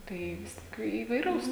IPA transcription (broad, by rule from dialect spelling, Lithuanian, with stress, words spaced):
tɐɪ ˈʋʲɪs tʲɪk iːʋɐɪˈrɐʊs